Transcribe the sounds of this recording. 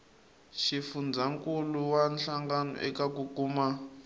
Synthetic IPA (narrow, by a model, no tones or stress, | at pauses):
ʃifund͡zaŋkuluwanɬaŋɡanɔ̰ʔɛ̰kakukuːma